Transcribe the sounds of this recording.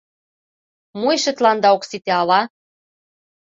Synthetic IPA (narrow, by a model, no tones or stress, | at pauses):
mujʃĕt̪lɑnd̪ɑoksit̪eɑlɑ